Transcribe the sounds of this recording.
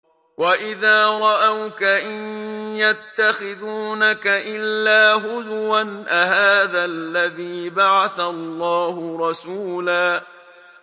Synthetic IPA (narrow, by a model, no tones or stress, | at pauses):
waʔɪðaːɾˤɑʔawkaʔanjat̪ːaxɪðuːnakaʔɪlːaːɦʊðwanʔaɦaːðalːaðiːbaʕaθalˤːɑːhʊɾˤɑsuːlaː